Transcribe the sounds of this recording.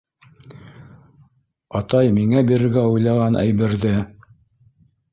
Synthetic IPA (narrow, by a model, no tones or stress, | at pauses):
ɑt̪ɑjmiŋæbiɾɘ̆ɾɡæujlˠɑʁɑnʔæ̰jβɘ̆ɾðɘ